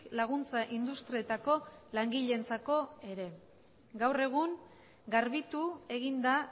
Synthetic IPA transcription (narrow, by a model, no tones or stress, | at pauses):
laɣ̞unt͡saʔind̪ust̪ɾie̞t̪ako̞laŋɡiʎe̞nt͡sako̞e̞ɾe̞ | ɡawre̞ɣ̞uŋ | ɡaɾβit̪ue̞ɣind̪a